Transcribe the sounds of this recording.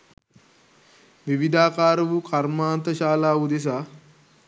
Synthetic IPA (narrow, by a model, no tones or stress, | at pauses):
ʋiʋid̪ʱaːkaːɾɐʋukʰɐɾmaːnt̪ɐʃaːlaːud̪es̬aː